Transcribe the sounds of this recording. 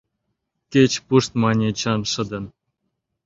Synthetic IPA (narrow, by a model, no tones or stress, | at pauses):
kʲet͡ɕpuʂt̪mɑnʲet͡ɕɑnʂɤ̆d̪ɤ̆n